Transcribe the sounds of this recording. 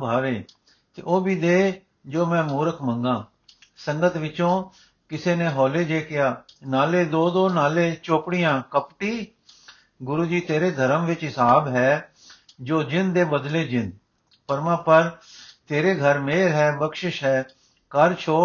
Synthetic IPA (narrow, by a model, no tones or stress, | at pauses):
bʱaːʋeː | t̪ḛːʔoːbʱiːd̪eː | d͡ʒoːmɛ̃ːmuːɾəkʰmə̃ŋɡãː | sə̃ŋɡət̪ʋɪt͡ʃõː | kɪseːneːɦɔːleːd͡ʒeːkɪjaːnaːleːd̪oːd̪oːnaːleːt͡ʃoːpɽijãːkəpʈiː | ɡʊɾuːd͡ʒiːt̪eːɾeːd̪ʱəɾəmʋɪt͡ʃɦɪsaːbɦɛː | d͡ʒoːd͡ʒɪnd̪eːbəd̪leːd͡ʒɪn | pəɾmãːpəɾt̪eːɾeːɡʱəɾmeːɾɦɛːbəkʃɪʃɦɛː | kəɾt͡ʃʰoː